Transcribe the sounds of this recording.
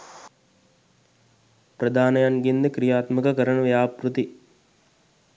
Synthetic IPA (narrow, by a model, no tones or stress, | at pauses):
pɾɐd̪ʱaːnɐjanɡind̪ɐkɾijaːt̪mɐkɐkɐɾɐɳɐʋɐjaːpɾut̪i